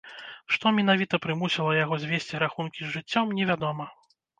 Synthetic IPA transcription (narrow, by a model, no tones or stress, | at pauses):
ʂt̪ɔmʲɛn̪avʲit̪ɐpɾɨmusʲilˠɐjaɣɔzʲvʲesʲt͡sʲiɾaxunkʲizʐɨt͡sʲːɔmnʲɛvʲad̪ɔmɐ